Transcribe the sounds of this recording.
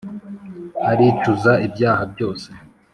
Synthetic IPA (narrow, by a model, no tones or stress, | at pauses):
aɾit͡ʃuzaibjaːhabjo̞ːse̥